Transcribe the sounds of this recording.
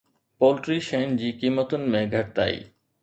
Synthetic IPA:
poːlʈɾiʃeːnd͡ʑiːkiːmət̪ʊnɪ̆mẽɡʱɐʈ̚t̪a̰ːḭː

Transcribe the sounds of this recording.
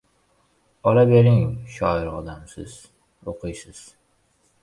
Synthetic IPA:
ɒlabeɾɪŋʃɒɪɾɒd̪amsɪz̥ | oqʰɨjsɪz̥

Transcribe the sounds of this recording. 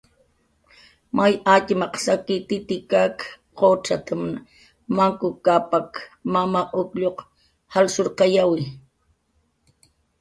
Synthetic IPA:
majat͡ʃɪmɑqsakɪt̪ɪt̪ɪkak | qot͡ʃat̪am | maŋkʊkapakmamaʔʊkʎoq | halsoɾqɑjawɪ

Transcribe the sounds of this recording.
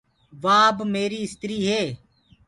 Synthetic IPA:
ʋaːbmeːɾiːɪst̪ɾiːɦeː

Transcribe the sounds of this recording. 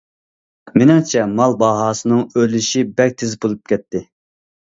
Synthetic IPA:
menɪŋt͡ʃʰɛmɑlˠbɑɦɑːsɨnɨŋølyʃibɛk̚ʲt̪ʰɪzbolˠup̚kʲʰɛt̪ʰːɪ

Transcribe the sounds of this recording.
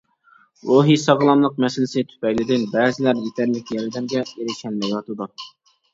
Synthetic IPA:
ɾoɦisɑʁlˠɑmlˠəqmɛsɪlɪsɪt̪ʰy̥pɛkʲlɪd̪ɪnbɛːzɪlæɾjet̪ʰɛɾlɪkʲjɛlɪd̪ɛmɡʲɛeɾɪʃɛlmɛjwɑt̪ʰɨd̪u

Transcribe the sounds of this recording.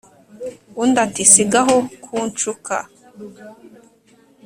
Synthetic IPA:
undatisiɡaɦokʰuːnt͡ʃukʰa̰

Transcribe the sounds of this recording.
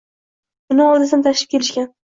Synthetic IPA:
ʊnɪɒlˠd̪asɪnɪt̪ʰaʃɪ̥p̚ʲʰe̞lɪʃkʲan

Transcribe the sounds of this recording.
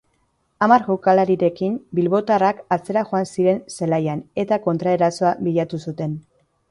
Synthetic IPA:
amaɾɣokalaɾiɾe̞kimbilβo̞t̪arakat͡se̞ɾaʝo̞ansiɾe̞nse̞lajane̞t̪ako̞nt̪ɾaeɾaso̞aβiʎat̪usut̪e̞n

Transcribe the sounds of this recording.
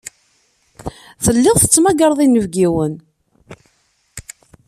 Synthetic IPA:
θəlːɪʁθə̥t͡sːmæɡəɾˤðˤinːəvɡiwən

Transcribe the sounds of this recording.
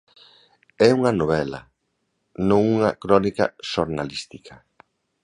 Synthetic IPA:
ɛuŋɐnoβɛlɐ̰ | nõŋuŋɐkɾɔnikɐ̰ʃoɾnalist̪ikʰɐ

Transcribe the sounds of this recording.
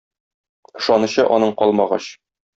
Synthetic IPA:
ɤ̆ʃɒnɤ̆ɕɤʔɒnɤɴqɒlˠmɑʁɑ̰ɕ

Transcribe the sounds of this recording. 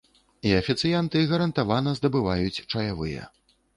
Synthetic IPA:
iɐfʲit̪sɨjant̪ɨɣɐɾɐnt̪avanɐzd̪ɐbɨvajut͡sʲt͡ʂɐjavɨjɐ̰

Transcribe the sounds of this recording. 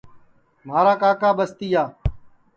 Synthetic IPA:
m̤aːɾaːkaːkaːɓəst̪iːaː

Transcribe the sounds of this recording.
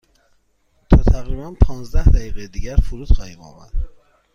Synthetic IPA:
t̪ʰɒːt̪ʰæɣɾiːbænpʰɒːnzd̪æhd̪æjiːɣejed̪iːɟæɾfuɾuːd̪̥xɒːhiːbɒ̰ːmæ̰ɾd̪

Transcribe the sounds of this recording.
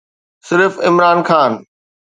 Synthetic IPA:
sɪɾfɪmɾaːnxaːn

